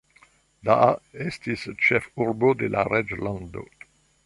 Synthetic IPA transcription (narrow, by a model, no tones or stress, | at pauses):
daʔaestist͡ʃefuɾbod̪ela̰ɾed͡ʒland̪o̰